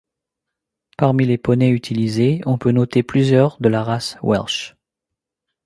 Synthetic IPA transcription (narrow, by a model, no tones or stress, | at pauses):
paʁmilepɔnɛyt̪ʰilizeɔ̃pønɔt̪eplyzjœʁd̪əlaʁaswɛ̰lʃ